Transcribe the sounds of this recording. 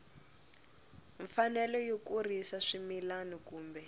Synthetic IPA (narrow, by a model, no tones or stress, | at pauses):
ɱfanɛlɔjokurisaʂimilanikuːmbɛ